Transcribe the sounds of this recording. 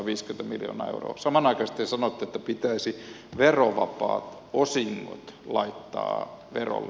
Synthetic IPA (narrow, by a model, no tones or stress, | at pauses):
ʋiːskyment̪æmiljo̰ːnɑːḛuro̰ːsɑmɑnɑikɑst̪esɑnot̪ːeet̪ːæpit̪æisi | ʋeroʋɑpɑ̰ːt̪ | osiŋːo̰t̪lɑit̪ːɑ̰ːʋero̰lː